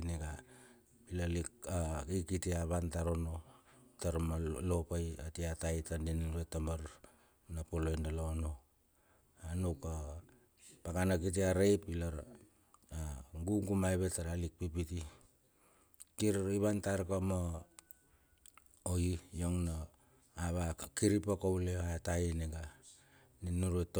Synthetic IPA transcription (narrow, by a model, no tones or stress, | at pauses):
niɡa | ilalikaikitiaβantaɾono̞ | taɾmalopajatiatajtandinβetambaɾ | napolojndalono̞ | anuka | pakanak̬it̬iaɾejpilaɾ | aɡuŋɡumajβetaɾalik̚pipiti | kiɾiβantaɾkamo | oijoŋno | aβakiɾipakowleataineɡa | ninuɾet